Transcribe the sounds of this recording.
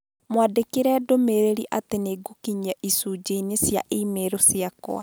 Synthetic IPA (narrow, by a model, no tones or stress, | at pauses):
mwadekeɾɛːdomeɾeɾiʔateneːɡukiɲɛʔisuːd͡ʒeinesja̰ʔeːmeɾosiakɔ̰a̰